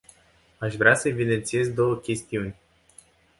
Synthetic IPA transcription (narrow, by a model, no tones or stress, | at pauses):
aʃvɾeasəevid̪e̞nt̪sije̞zd̪o̞wəkʲe̞st̪iunʲ